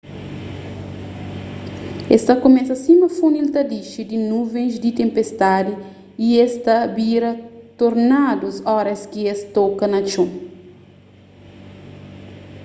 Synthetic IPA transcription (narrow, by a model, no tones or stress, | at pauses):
est̪ɐkomɛsɐsĩmɐfunilt̪ɐd̪iʃid̪inuvẽj̃zd̪it̪ẽmpest̪ad̪iː | est̪ɐbiɾɐt̪oɾnad̪usɔɾɐskiest̪ɔkɐnɐt͡ʃũ